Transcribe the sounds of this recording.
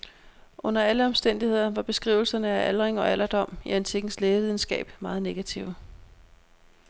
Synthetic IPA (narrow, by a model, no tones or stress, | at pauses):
ʔɔ̽n̰ɐæləɒ̽msd̥en̰d̥ihe̝ð̞̰ˠɐʋɑ̈b̥e̝sɡ̥ʁḭːʊl̩sɐnəæʔælʁeŋɒ̽ælʔɐd̥ɒ̽m̰iænt͡sʰiɡ̥n̩sleːʋið̞ˠn̩sɡ̥ɛ̰ːb̥mɑ̈ːð̞̩ˠne̝ɡ̥æt͡sʰiʊ̰